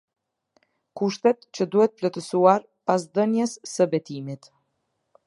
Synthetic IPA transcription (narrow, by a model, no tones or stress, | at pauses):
kuʃt̪ɛt̪t͡ɕəd̪uhɛt̪̚əplɔt̪əsuaɾ | pasd̪ənjəsːəbɛt̪imit̪